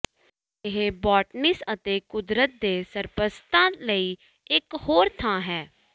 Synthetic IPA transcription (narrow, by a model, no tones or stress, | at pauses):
ɪɦebɔːʈnɪsət̪eːkʊd̪ɾət̪̚d̪eːsəɾpəst̪ãːləiː | ɪkhoːɾt̪ʰãːɦɛː